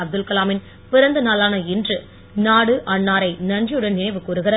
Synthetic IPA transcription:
ɐb̚d̪ɯlkɐlaːmɪn | pɪɾɐnd̪ɯnaːlaːnɐɪndrɯ | naːɽɯʔɐɳːaːɾɐɪnɐnd͡ʒɪjɯɽɐnnɪnɐɪʋɯkuːɾɯɣɪɾɐ

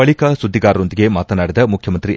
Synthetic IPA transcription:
ɐɭikɐsud̪ʱːiɡaːɾɐɾo̞nd̪iɡe̞maːt̪ɐnaːɽid̪ɐmukʰjɐmɐnt̪ɾi

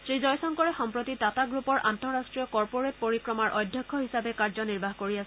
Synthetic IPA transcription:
sɹizɔjsɔŋkɔɹɛxɔmpɹotitataɡɹupɔɹʔa̰ntɔɹastɹijɔkɔɹpoɹet̚poɹikɹɔmaɹʔɔdʱjɔkʰːɔɦisabɛkaɹzɔniɹbaɦkoɹias

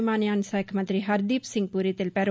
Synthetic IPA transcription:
maːnjaːnsaːjkʰmɐ̃nt̪ɾiɦɐɾd̪iːpsɪ̃ŋɡ̚puːɾit̪elpɛːɾo

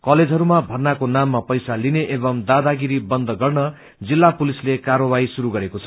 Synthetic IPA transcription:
kʌled͡zʱɦʌɾumabʱʌrnakonamːapʌjsalineʔebʌmd̪ad̪aɡiɾibʌnd̪ʱʌɡʌrnʌ | d͡zilːapulislekarʌbaisuɾuɡʌɾekot͡sʰʌ

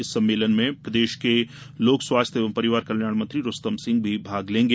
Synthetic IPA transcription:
ɪsːɐ̃mːeːlənmẽpɾəd̪eːʃke | loːkswaːst̪ʰjeʋəmpɐɾɪʋaːɾkɐljaːɽmɐ̃nt̪ɾiɾʊst̪əmsɪ̃ŋɡ̚bʱibʱaːɡlẽːŋɡeː

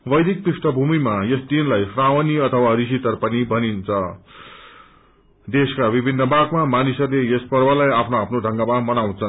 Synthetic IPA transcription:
wʌjd̪ʱik̚trisʈʌbʱumimajesd̪inlajsrawʌniʌt̪ʰʌwaɾisit̪ʌrpʌnibʱʌnint͡sʰʌ | d̪eskabibʱinːʌbʱaɡmamanisʌrlejʌspʌrbʌlajapʰnoapʰnodʱʌŋɡamamʌnaw̃t͡sʰʌn

